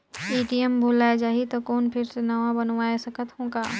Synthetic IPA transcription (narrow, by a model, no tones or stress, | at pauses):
eːʈiəmbʱuːlaːjd͡ʒaːɦit̪okoːnpʰɪɾsenɐʋãbɐnʋaːesɐkʰət̪ɦõːɡaː